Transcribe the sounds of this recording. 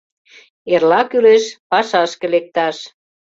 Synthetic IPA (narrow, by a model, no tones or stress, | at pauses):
erlɑkyleʃpɑʃɑʃkĕlek̚t̪ɑʃ